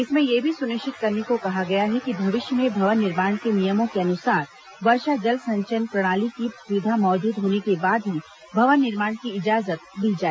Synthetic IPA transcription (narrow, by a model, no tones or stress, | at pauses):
ɪsmẽjebʱisʊnɪʃɪt̪̚kɐɾnekokɐɦaɡɐjaɦɛkibʱɐʋɪʃjəmẽbʱɐʋənːɪɾmaːɳ̃kenijəmõkeɐnʊsaːɾ | ʋɐɾʃad͡ʒɐlsɐ̃ɲt͡ʃənpɾɐɽ̃aːlikisjʊd̪ʱamɔːd͡ʒuːd̪ɦoːnekebaːd̪ɦi | bʱɐʋənːɪɾmaːɳ̃kiɪd͡ʒaːzət̪bʱid͡ʒaːɛ